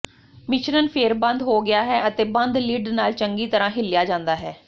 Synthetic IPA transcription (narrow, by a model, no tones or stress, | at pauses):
mɪʃɾənpʰeːɾbə̃nd̪ɦoːɡɪjaːɦɛːʔət̪eːbə̃nd̪liːɖnaːlt͡ʃəŋɡiːt̪əɾãːɦɪlːɪjaːd͡ʒãːnd̪aːɦɛː